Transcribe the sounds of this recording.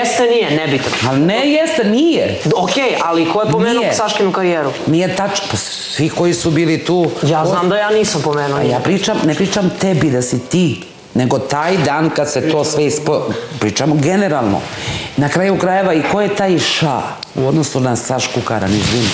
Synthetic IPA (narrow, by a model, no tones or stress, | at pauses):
jest̪enijenɛbit̪noalinejest̪enijeokʲeːjalikoepomnmeːjnuesaʃkinukaɾieːɾunijet̪at͡ʃpa | sʋiko̞jisubiːlit̪uːjaːznaːmd̪ajaːniːsampomeːnuajjaːpɾiːt͡ʃamnepɾiːt͡ʃamt̪ebid̪asit̪i | ne̞ɡo̞t̪aːjd̪aːnkad̪set̪o̞ːsʋeispopɾiːt͡ʃamoɡene̞ɾalˠno̰nakɾaːjukɾaːjeʋaikojet̪aːjʃa̰ | ṵo̞d̪no̞sunasaʃkukaɾa̰nizin